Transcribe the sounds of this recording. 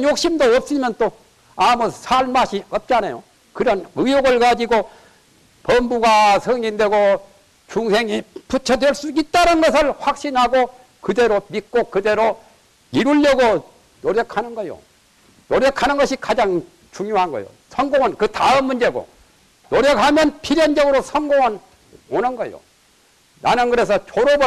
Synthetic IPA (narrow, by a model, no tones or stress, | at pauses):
njok̚ɕ͈imdoʌp̚s͈ɯmjʌnt͈o | amusʰaɭmaɕʰiʌp̚t͡ɕ͈anajo̰ | kɯɾʌnɯjoɡɯɭkad͡ʑiɡo | pʌmbuɡasʰɯŋɲinde̞ɡo | t͡ɕuŋsʰe̞ŋiput͡ɕʰʌdweɭs͈uit̚t͈anɯnɡʌsʰɯɭɸwak̚ɕ͈inhaɡo | kɯde̞ɾomik͈okɯde̞ɾo | iɾuʎːʌɡo | noɾjʌkʰanɯnɡʌjo̰ | noɾjʌkʰanɯnɡʌɕʰikad͡ʑaŋ | t͡ɕuŋjoɦanɡʌ̰jo̰sʰʌŋɡoŋʌnkɯtaɯmmund͡ʑe̞ɡo̰ | noɾjʌkhamjʌnpʰiɾjʌnd͡ʑʌɡɯɾosʰʌŋɡoŋʌn | onɯnɡʌjo̰ | nanɯnɡɯɾe̞s̬ʰʌt͡ɕoɾob